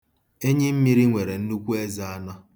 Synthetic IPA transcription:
e˦ɲɪ˦m̩˦mi˦ɾi˦ŋʷe˨ɾe˨n̩˦nu˦kʷu˦e˦za˦a˦na˦

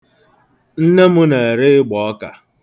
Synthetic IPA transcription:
n̩˦ne˦mʊ˦ne˨e˨ɾɪ˦ɪ˦ɡ͡bɔ˨ɔ˦ka̰˨

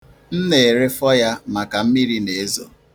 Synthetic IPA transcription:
n̩˦ne˨ɾe˦fɔ˦ja˦ma˨ka˨m̩˦mi˦ɾi˦ne˨e˦zo̰˨

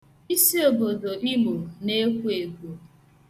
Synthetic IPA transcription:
i˦si˦o˨bo˨do˨ʔi˦mo˨ne˦kʷu˦e˨ɡʷo˨

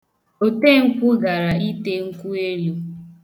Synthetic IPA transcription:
o˨te˦˨ŋ̩˦kʷʊ˦ɡa˨ɾa˨i˦te˦ŋ̩˦kʷu˦e˦ɾju˦

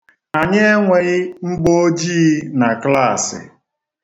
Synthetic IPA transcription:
a˨ɲe˦e˦ŋʷe˨ɣɪ˦ŋ͡m̩˦ɡ͡bo˦o˦d͡ʒi˦na˨kla˦˨sɪ̰˨

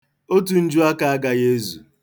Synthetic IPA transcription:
o˦tu˨n̩˦d͡ʒu˦a˦ka˨a˦ɡa˨ɣe˦zṵ˨

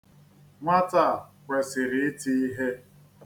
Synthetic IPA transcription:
ŋʷa˦ta˦˨kʷe˨sɪ˨ɾɪ˨ɪ˦ti˦i˦ɦe˦

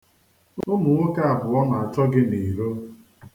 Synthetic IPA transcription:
ʊʊ˦mʊ˨ŋʷo˦ka˦a˨bʊ˨ɔ˦na˨a˨t͡ʃɔ˦ɡɪ˦ni˨ɾo˦

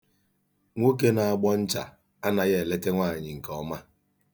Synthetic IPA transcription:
ŋʷo˦ke˦na˨a˨ɡ͡bɔ˦n̩˦t͡ʃa̰˨ | a˦na˨ɣe˦˨le˦te˦ŋʷa˦˨ɲɪ˨ŋ̩˨kɔ˦ma˦

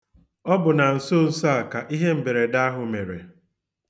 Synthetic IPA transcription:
ɔ˦bʊ˨na˨n̩˨so˦n̩˦sa˦˨ka˨ʔi˦ɦe˦m̩˨be˨ɾe˨da˦a˦ɦʊ˨me˨ɾḛ˨

